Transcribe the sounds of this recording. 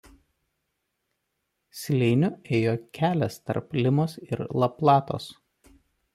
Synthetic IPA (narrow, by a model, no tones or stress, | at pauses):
sʲlʲɛɪnʲʊeːjoːkʲæːlʲɛst̪ɐ̰ɾplʲɪmoːsɪɾlˠɐplˠɑːt̪o̰ːs